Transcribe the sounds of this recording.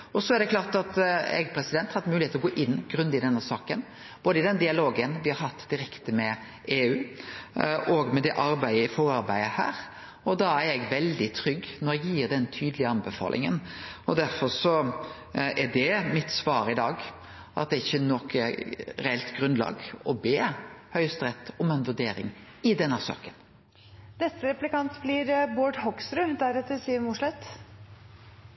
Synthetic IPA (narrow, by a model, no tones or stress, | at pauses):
ɔsɔɛɾd̪ɛklɑːʁt̪ɑt̪ɛ̰ɡpʰɾɛsɪd̪ɛnt̪hɑt̪mʉːlɪeːt̪ɾɔɡoːʔɪnːɡɾʉnd̪ɪd̪ɛnːəsɑːkən | b̥oːd̪əɪd̪ɛnd̪ɪɑloːɡənʋɪhɑɾɦɑt̪ːd̪ɪɾɛkt̪əmɛ | eːʉː | ʔɔɡmɛd̪ɛʔɑɾbæɪəɪfɔɾɑɾbæɪəhæ̰ːɾ | ɔd̪ɑæɾɛɡʋɛld̪ɪt̪ʰɾʏɡnɔɾɛɡjiːɾd̪ɛnt̪ʰyːd̪əlɪəɑnbɛfɑ̰ːlʔɪ̰ŋə̰nɔd̪æɾfɔɾsɔ | æd̪ɛmɪt̪sʋɑːɾɪd̪ɑːɡ | ʔɑ̰t̪̚d̪ɛɪçːənɔkəɾɛɛlt̪ɡɾʉnlɑ̰ːɡɔbeːhœʏst̪ɾɛt̪ːɔmɛnʋʉɖ̪eːɾɪ̰ŋ | ɪd̪ɛnːəsɑ̰ːkːən | nɛst̪əɾɛplɪkɑnt̪bliɾboːɖhɔksɾʉd̪æɾɛt̪ːəsiːəɾmʊʂɭɛt̪